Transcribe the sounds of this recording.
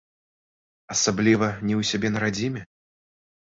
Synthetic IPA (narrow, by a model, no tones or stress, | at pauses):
ɐsablʲivɐnʲɛwsʲabʲɛnɐɾad͡zʲimʲɛ